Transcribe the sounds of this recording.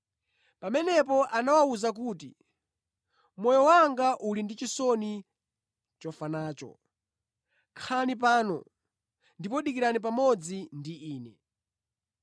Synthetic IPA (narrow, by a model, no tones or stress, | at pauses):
pamɛnɛpɔʔanawauzak̬uːtḭ | mɔjɔwaŋɡaʔulindit͡ʃisɔni | t͡ʃɔfanaːt͡ʃɔ̰ | kʰanip̬aːnɔ̰ | ndip̬ɔɗikiɾanip̬amɔd͡zindiiːnɛ̰